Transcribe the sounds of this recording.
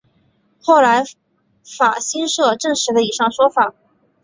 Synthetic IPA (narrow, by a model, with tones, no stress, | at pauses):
xo˥˩ʊla˧˥ɪ | fa˨˩ɕi˥nʂɤ˥˧ʈ͡ʂɤ˥˧ŋʂɻ̩˧˥d̪ə˧i˨˩ʂɑ˥˩ŋʂwɔ˥fa˨˩˦